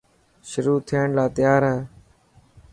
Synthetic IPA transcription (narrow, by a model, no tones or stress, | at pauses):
ʃʊɾuːt̪ʰɪjəːɳlaːt̪ɪjaːɾɦɛː